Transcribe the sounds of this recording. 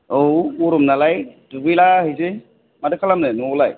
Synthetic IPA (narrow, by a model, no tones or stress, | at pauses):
owuɾɔmnalajdubɯjlaɦɯjsɯ | madɯkʰalamnɯnɔlaj